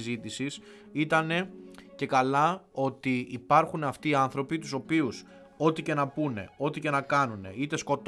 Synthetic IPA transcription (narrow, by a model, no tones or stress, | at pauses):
zit̪isis | it̪ɐne̞ce̞kɐlɐo̞t̪iipɐɾxunɐft̪iɐnθɾo̞pit̪uso̞pius | o̞t̪ice̞nɐpune̞̰o̞t̪ice̞nɐkɐnune̞̰it̪e̞sko̞t̪